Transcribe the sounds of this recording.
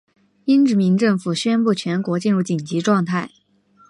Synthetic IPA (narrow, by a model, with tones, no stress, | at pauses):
i˥nʈ͡ʂɻ̩˧˥mi˧˥ŋʈ͡ʂɤ˥˩ŋfu˨˩ɕɥɛ˥npu˥˩t͡ɕʰɥɛ˧˥nkwɔ˧˥t͡ɕi˥˧nɻu˥˩t͡ɕi˨˩ŋt͡ɕi˧˥ʈ͡ʂwɑ˥˧ŋt̪ʰa˥˩ɪ